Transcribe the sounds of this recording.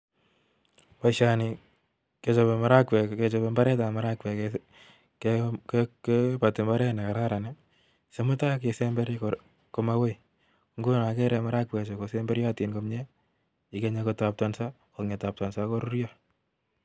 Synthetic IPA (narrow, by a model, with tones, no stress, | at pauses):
pa˨ʃani˨ | ke˨t͡ʃɔbe˨ma˨ɾa˦kwɛ˨ke˨t͡ʃɔ˨be˨mba˦ɾɛ˦ta˨ma˨ɾa˦kwɛ˨k | kekkepa˨tɪ˨mba˦ɾɛ˦ne˨ka˨ɾa˦ɾa˨ne˦ | se˨mʊ˦ta˦kese˦mbɛ˦ɾ | ko˨ma˦we˦ | ŋɡo˦na˨ke˦ɾɛ˨maɾa˦k̚wɛ˨t͡ʃe˨kosembɛ˦ɾja˦ti˨nko˨mɲɛ˦ | i˨ke˦ɲekota˨p̚tansa˦ | ko˨ŋe˨ta˨p̚ta˨nsako˦ɾu˦ɾja